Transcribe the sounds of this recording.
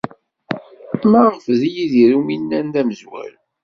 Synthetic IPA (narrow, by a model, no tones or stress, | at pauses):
mæʁfðijiðiɾuminːænðæməzwæ̰l